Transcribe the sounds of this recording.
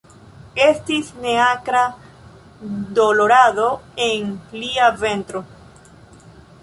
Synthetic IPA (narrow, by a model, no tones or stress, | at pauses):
est̪isneakɾa | d̪oloɾaðoeŋliavent̪ɾo